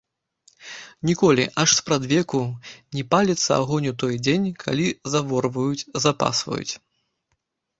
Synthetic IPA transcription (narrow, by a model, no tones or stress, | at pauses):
nʲikɔlʲiʔaʂspɾad̪vʲɛkunʲɛpalʲɛt̪sːɐ̰a̰ɣɔnʲut̪ɔjd͡zʲenʲkʰa̰lʲizavɔrvɐjut͡sʲzapa̰svɐ̰jṵt͡sʲ